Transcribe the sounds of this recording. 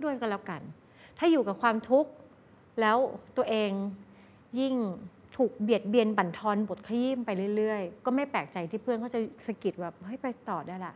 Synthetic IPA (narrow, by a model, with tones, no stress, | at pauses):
du˥˩əjka˧˩lɛː˦˥˩wka˧n | t̪ʰaː˥˩juː˨˩kaː˨˩kʰwaː˧mt̪ʰu˦˥k̚ | lɛː˦˥wt̪u˧əʔeː˧ŋ | ji˥˩ŋ | t̪ʰuː˨˩k̚bi˨˩ət̪̚bi˧ənpa˨˩nt̪ʰɔː˧nbo˨˩t̪̚kʰa˧jiː˥˩mpa˧jlɯ˥˩əjlɯ˥˩əjkɔː˥˩ma˥˩jpɛː˨˩k̚t͡ɕa˧jt̪ʰiː˥˩pʰɯ˥˩ənkʰa˥˩t͡ɕa˨˩sa˧ki˨˩t̪̚bɛː˨˩p̚ha˥˩jpa˧jt̪ɔː˨˩daː˥˩jla˨˩ʔ